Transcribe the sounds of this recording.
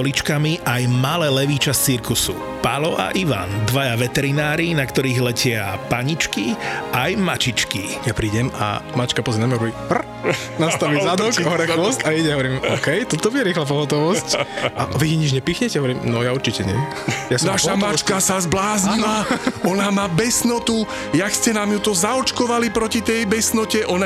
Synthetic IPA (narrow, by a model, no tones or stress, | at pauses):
ɔlit͡ʃkamiʔajmalɛːlɛʋiːt͡ʃast͡siɾkusṵ | pa̰lɔʔa̰ʔiʋa̰nd̪ʋajaʋɛt̪ɛɾinaːɾinakt̪ɔɾiːɣlɛcɪapaɲit͡ʃkiajmat͡ʃit͡ʃkijapɾiːɟɛma̰mat͡ʃkapɔzɛmnamɛɦɔʋɔɾimpr | nast̪aʋizad̪ɔkɔɦɾɛxʋɔst̪aiɟɛɦɔʋɔɾiːmɔkɛjt̪ɔt̪ɔbiɾɪɛxlap̬ɔɦɔt̪ɔʋɔscʔaʋiɦiɲid͡ʒɲɛpiːxɲɛcɛɦɔʋɔɾiːmnɔjauɾt͡ʃicɛɲɛ | jasnnaʃamat͡ʃkasazblaːzɲilaɔnamaːbɛsnɔt̪u | jakscɛnamɲut̪ɔzaɔt͡ʃkɔʋalipɾɔcit̪ɛjbɛsnɔcɛʔɔna